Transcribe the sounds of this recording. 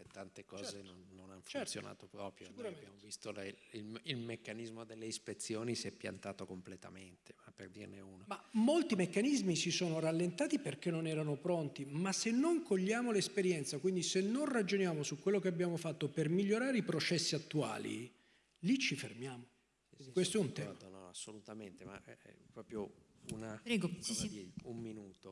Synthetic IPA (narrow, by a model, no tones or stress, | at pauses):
et̪ːant̪ekɔːzenonːonanft̪sjo̰na̰ːt̪opɾɔ̰ːpɾjoskubjamovist̪olililmekːanizmod̪elːeispet̪sjoːnisiɛpːja̰nt̪aːt̪okomplet̪a̰ment̪emapːḛrd̪ḭrneuːnomamːolt̪imekːanizmisisoːnoɾalːent̪aːt̪iperk̟enːonɛːɾanopɾont̪imasːenːoŋkoʎːaːmolespeɾjɛnt̪sakwind̪isenːonrad͡ʒonjaːmosukːwelːokeabːjaːmofat̪ːopermiʎːoɾaːɾeipɾot͡ʃɛsːiat̪ːua̰ːlḭ | lit͡ʃːifermjaːmo | kwest̪oɛunt̪ɛmanɔasːolut̪ament̪ema̰ɛ̰pɾɔːpɾjounapɾɛɡo | umminuːt̪o